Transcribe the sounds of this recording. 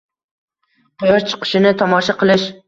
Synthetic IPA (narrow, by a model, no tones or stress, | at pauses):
qʊjɒɾt͡ʃʰɨ̥qʰɨ̥ʃɪnɪt̪ʰɒmɒʃaqɨlˠɪʃ